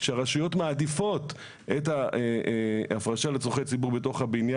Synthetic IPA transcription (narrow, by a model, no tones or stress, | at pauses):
ʃeaʁaʃujo̞tmaːdifo̞t | eta | afʁaʃalet͡soχejt͡sibuʁbeto̞χhabinja